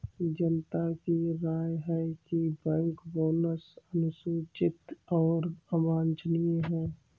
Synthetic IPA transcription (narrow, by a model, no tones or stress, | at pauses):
d͡ʒənt̪akiɾaːjɦɛkibɛ̃ŋkboːnəsənʊsuːt͡ʃɪt̪ɔːɾəmaːnt͡ʃnieɦɛː